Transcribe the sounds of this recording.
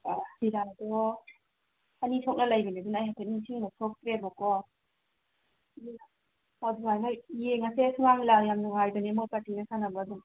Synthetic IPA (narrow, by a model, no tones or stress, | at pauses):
ahiɾadɔ | anitʰok̚nɐlajbanedunajɦatʰaniŋsʰiŋnasʰok̚tɾebɔkɔ | aduŋajnaijeŋasesŋaŋlawjamnuŋajbanemojpaɾtinasanabaːduŋ